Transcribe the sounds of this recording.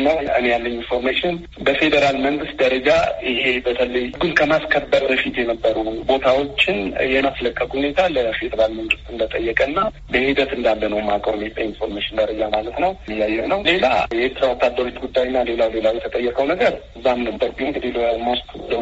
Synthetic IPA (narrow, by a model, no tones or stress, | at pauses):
nəwɨnejalːəninfo̞ɾmeʃɪn | bəfe̞d̪əɾalməŋɡɨst̪̚d̪əɾəd͡ʒaɪhe̞bət̪ʰələjɡɨnkʰəmaskʰəbːəɾbəfit̪jɛnəbːəɾubo̞t̪ʰawo̞t͡ʃːɪnjɛmasləkʼːəkʼhune̞t̪ʰaləfe̞d̪əɾalməŋɡɨst̪ɨnd̪ət̪ʼəjːəkʼənːa | bəhid̪ət̪ɨnd̪alːənəwmakʼəɾmet̪ʼəinfo̞ɾmeʃɪnd̪əɾəd͡ʒamalət̪nəwɨjːajːɛnəwle̞lajɛeɾt̪ʰɾawɔt̪ʰːad̪ːəɾot͡ʃ̪ɡud̪ːajɪnːale̞lawle̞lawjɛt̪ʰət̪ʼəjːɛkʼəwnəɡəɾɨzːamnəbːəɾɡiŋɡɨd̪iləamoskd̪ə